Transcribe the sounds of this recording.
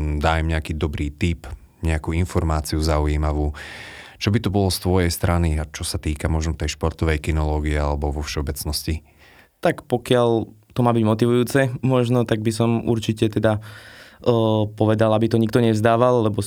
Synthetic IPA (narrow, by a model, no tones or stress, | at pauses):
d̪aːjmɲɛakiːd̪ɔbɾiːt̪ip | ɲɛakuːinfɔɾmaːt͡siuzauiːmaʋuːt͡ʃɔbit̪ɔbɔlɔst̪ʋɔjɛjst̪ɾaniat͡ʃɔsat̪iːkamɔʒnɔt̪ɛjʃpɔɾt̪ɔʋɛjkinɔlɔːɡiɛalɛbɔʋɔfʃɛɔbɛt͡snɔsci | t̪akpɔkɪaʎ | t̪ɔmaːbiɟmɔt̪iʋujuːt͡sɛmɔʒnɔt̪aɡ̚bis̬ɔmṵɾt͡ʃicɛt̪ɛd̪a | pɔʋɛd̪alabit̪ɔɲik̚t̪ɔɲɛvzd̪aːʋalːɛbɔ